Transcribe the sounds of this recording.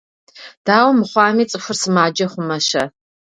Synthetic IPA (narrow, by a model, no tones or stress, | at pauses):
d̥aːwɐmɨχʷɑːmiːt͡sʼɨfʷʊrsɨmaːd͡ʒɐχʷʊmɐʃɐ